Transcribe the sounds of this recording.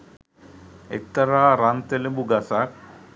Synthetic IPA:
ḛt̪ːɐɾaɾant̪elebuɡasak

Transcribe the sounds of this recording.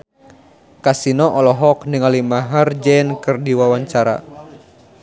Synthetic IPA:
kasinɔʔɔlɔɦɔknəŋalimaɦard͡ʒɛnkɨrdiwawaɲt͡ʃaɾa̰

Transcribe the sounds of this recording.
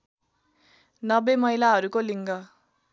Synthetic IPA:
nʌbemʌɦjlaɦʌɾukoliŋɡʌ

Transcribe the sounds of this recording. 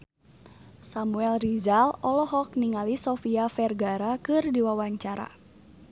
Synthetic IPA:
samuɛlrizalɔlɔɦɔk̚niŋalisɔfiafɛrɡaɾakɨrdiwawaɲt͡ʃaɾa̰

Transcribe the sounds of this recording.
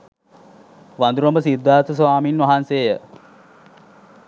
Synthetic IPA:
ʋand̪uɾombəsid̪ːaːt̪əs̬ʋaːminʋɐɦanseːjə

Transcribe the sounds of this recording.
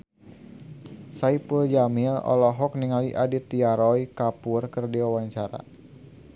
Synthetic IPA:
saipuld͡ʒamilɔ̰lɔɦɔk̚niŋaliʔadit̪iaɾɔikapurkərdiwawaɲt͡ʃaɾa̰

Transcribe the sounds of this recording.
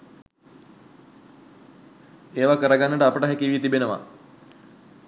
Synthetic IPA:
eːʋakəɾəɡanːəʈəapəʈəɦækiʋijet̪ibenəʋa̰

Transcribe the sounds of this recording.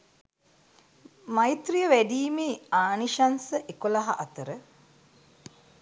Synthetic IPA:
mait̪rijəʋæɖiːmeːaːniʃansəʔekolɐɦa̰ʔɐt̪əɾə

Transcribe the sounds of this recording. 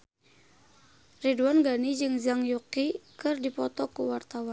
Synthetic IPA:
riduanɡanid͡ʒɨŋzaŋjukikɨrdipɔt̪ɔkuwart̪awan

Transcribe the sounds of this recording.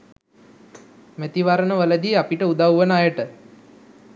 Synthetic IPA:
mæt̪iʋaɾənəʋələd̪iːapiʈəud̪awʋənajəʈə

